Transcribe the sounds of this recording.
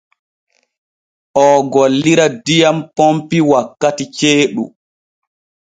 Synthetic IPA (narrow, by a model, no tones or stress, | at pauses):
ʔɔɡolːiɾadijampompiwakːatit͡ʃeːɗṵ